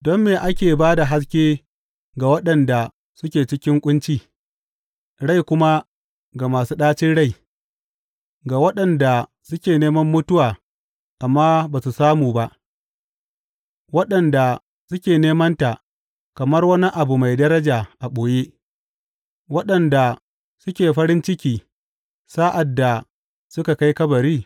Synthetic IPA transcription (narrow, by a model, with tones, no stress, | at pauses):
dɔ˦mːeː˨ʔa˦kʲeː˨baː˦da˨ɦa˦s̬kʲeː˦ | ɡa˨wɐ˦ɗɐ˨nda˨ | sʊ˦kʲeː˨t͡ʃɪ˦kʲɪ˦ŋkʷʼʊ˦nt͡ʃiː˦˨ | ɽa˦˨jkʷʊ˦ma˦ | ɡa˨maː˨suː˦ɗaː˦t͡ʃɪ˦nɽa˦˨j | ɡaː˨wɐ˦ɗɐ˨nda˨ | sʊ˦kʲeː˨neː˦mɐ˦mːʊ˦tʊ˦waː˨ | ʔa˨mːaː˦baː˨su˨saː˦muː˨ba˦ʔ | wɐ˦ɗɐ˨nda˨ | sʊ˦kʲeː˨neː˦mɐ˦nta˨ʔ | kɐ˨mɐ˦rwɐ˦ni˦ʔa˨bu˨ma˨jdɐ˦ɾɐ˦d͡ʒaː˨ʔa˨ɓoː˨je˦ | wɐ˦ɗɐ˨nda˨ | sʊ˦kʲeː˨ɸɐ˦ɾɪ˦nt͡ʃɪ˦kʲiː˨ | saː˦ʔa˨dːa˨ | sʊ˦ka˨ka˦jkɐ˦bɐ˨ɾiː˦˨